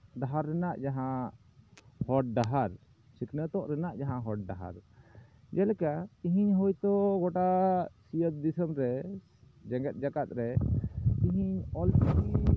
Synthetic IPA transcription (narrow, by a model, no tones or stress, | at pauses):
ɖaɦaɾːɛnaʔd͡ʒaɦã | hɔʈ̚ɖaɦaɾ | sikʰnət̪ɔʔɾɛnaʔd͡ʒaɦãɦɔʈ̚ɖaɦa̰ɾ | d͡ʒɛlɛkat̪iɦiɲɦɔjt̪ɔɡɔʈasijət̪̚d̪isəmɾɛ | d͡ʒɛŋɡɛt̪̚ˀd͡ʒakat̪̚ɾɛt̪iɦiɲɔlt͡ʃaɾi